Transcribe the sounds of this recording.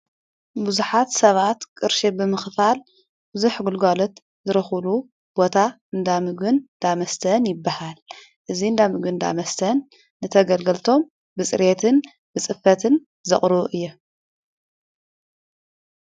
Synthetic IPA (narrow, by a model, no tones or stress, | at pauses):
buzuħat̪sɐβat̪kʼɨɾʃibɨmɨxfal | bɨzuħɡulɡalot̪ | zɨɾɐxlu | b̥ot̪ʰa | ɨnd̪amɨɡɨnd̪̥amɐst̪ʰɐnjɪbːahal | ʔɨziɨnd̪amɨɡɨnd̪a̰mɐst̪ʰɐnː | ɨt̪ʰɐɡɐlɡɐlt̪ʰo̞m | bɨt͡sʼɨ̰ɾet̪ʰɨn | bɨt͡sʼɨfːɐt̪ʰɨn | zɐχʼɾuʔɨjːu